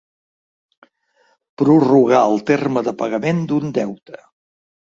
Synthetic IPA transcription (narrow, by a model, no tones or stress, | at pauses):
pɾuruɣ̞aəlˠt̪erməðəpəɣəmend̪und̪ɛwt̪ə̥